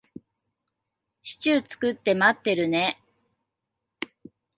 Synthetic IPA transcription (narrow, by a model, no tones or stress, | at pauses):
ɕi̥t͡ɕɨːt͡sɨ̥kɯ̟t̪ːe̞mat̪ːe̞ɾɯ̟ne̞